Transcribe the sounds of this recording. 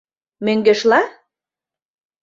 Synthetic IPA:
møŋɡĕʃlɑ

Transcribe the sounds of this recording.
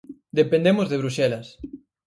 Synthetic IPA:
d̪epend̪emozðeβ̞ɾuʃɛlɐs

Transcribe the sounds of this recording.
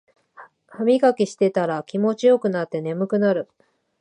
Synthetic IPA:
hamʲiɡakʲiɕi̥t̪e̞t̪aɾakʲimo̞t͡ɕijo̞kɯ̟nat̪ːe̞ne̞mɯ̟kɯ̟naɾɯ̟

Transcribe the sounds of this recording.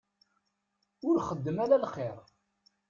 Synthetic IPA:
ʊɾχəd̪ːəmæɾælχeɾˤ

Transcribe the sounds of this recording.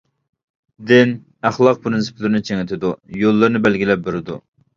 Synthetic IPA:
d̪ɪn | æχlˠɑq̚pʰɾɨnsɨ̥pʰlɪɾnɪt͡ʃʰeŋɪt̪ʰɪd̪ujolˠːɨɾnɨbɛlɡʲilɛp̚beɾɪd̪u

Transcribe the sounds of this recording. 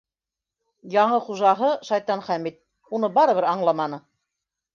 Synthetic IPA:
jɑɴɤχuʒɑɦɤʃɑjt̪ɑnχæmit̪̚ | unɤbɑɾɤ̆βɘɾɑɴlˠɑmɑnɤ

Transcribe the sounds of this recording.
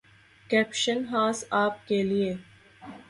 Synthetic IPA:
kɛːpʃənɦaːsaːp̚kelie

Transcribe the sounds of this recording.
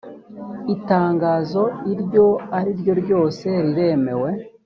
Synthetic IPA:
itaːŋɡaːzo̞iɾɟo̞aɾiɾjo̞ɾɟo̞ːse̞ɾiɾe̞me̞we̞

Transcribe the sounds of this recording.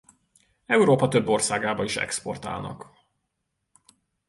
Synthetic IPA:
ɛuɾoːpɒt̪ø̞bːo̞rsaːɡaːbɒiʃɛ̰kspo̞rt̪a̰ːlnɒ̰k

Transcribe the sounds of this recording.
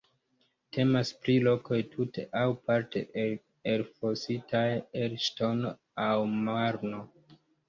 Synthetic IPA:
tʰe̞maspɾilo̞ko̞jtʰutʰe̞ʔawpaɾtʰe̞̰ | elfositʰajeɾʃto̞n | awmaɾno̞

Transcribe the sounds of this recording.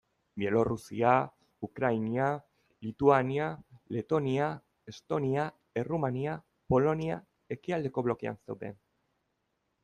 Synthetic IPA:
bje̞lo̞rusia | ukɾajnia | lit̪uaniale̞t̪o̞nia | e̞st̪o̞nia | erumania | po̞lo̞nia | e̞kiald̪e̞ko̞βlo̞kea̰nse̞wðe̞̰n

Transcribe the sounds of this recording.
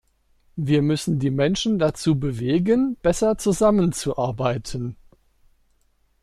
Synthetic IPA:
viːɐmʏsn̩diːmɛnʃn̩dat͡suːbəveːɡənb̥ɛsɐt͡suzamənt͡suʔaɐbaɪtʰən̩

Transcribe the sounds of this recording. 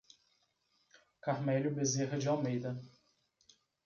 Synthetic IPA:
kaɾmɛlʊbezeɦɐd͡ʒɪawmejd̪ɐ

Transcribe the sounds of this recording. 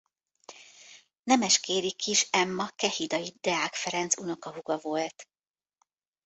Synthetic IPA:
nɛmɛʃkeːɾikʰiʃɛmːɒkɛhid̪ɒjid̪̥ɛaːkfɛɾɛnt̪suno̞kɒɦuɡɒvo̞lt̪

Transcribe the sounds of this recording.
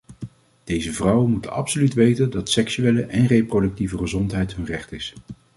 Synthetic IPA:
d̥ejzəvrʌwənmutənɑ̰psolytʋejtəndɑtsɛksyeːləʔɛnreprodɵk̚tivəχəzɔntɦɛjtɦɵnrɛχtɪs

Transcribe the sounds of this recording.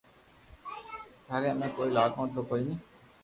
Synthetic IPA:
t̪aːɾeəmẽːkoːiːlaːkõːt̪okoinĩː

